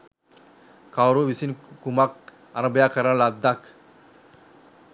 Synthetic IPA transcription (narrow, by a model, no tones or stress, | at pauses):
kawɾoʋisinkumak̚ | aɾəbjakəɾaɳlad̪ːak